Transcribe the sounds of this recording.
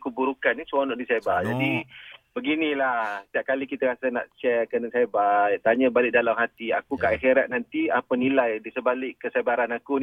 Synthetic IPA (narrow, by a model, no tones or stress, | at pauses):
kubuɾukanːisuanɔʔdisebard͡ʒadibəɡinĩlaht̪iaʔ̚kalikit̪aɾasana̰ʔt͡ʃɛkənəsabat̪aɲãbalɪʔ̚dalamhat̪ia̰kukaʔɛɦeɾaʔ̪̚nant̪iapənilajdisəbalɪʔkəsabaɾanakun